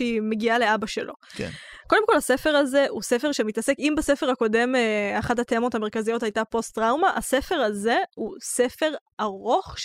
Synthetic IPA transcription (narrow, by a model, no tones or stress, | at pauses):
ime̞ɡiale̞abaʃelʔo̞kḛ | ko̞demkolhase̞fe̞ʁaze̞use̞feʁʃemitase̞kimbasefe̞ʁhako̞de̞maχadhatemo̞tameʁkazijo̞thajtapo̞stʁawmaʔa̰se̞fe̞ʁaze̞husefe̞ʁ | aʁo̞χʃ